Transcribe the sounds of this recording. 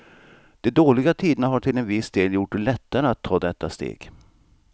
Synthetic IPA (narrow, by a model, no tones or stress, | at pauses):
d̪̥ɛd̪oːlɪɡat̪ʰiːd̪ənaɦaʈʰɪlɛnvɪsd̪eːljʊʈːɛlɛt̪ːaɾəat̪ʰːɑːd̪ɛt̪ːast̪ḛːɡ